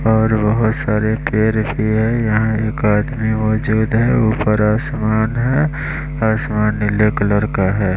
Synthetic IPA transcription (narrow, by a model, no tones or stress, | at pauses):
ɔːɾbɐɦʊt̪saːɾepeːɾbʱiɦɛ̃jɐɦãeːkaːd̪mimɔːd͡ʒuːd̪ɦɛuːpəɾaːsmaːnɦɛ | aːsmaːnːɪleːkələɾkaɦɛː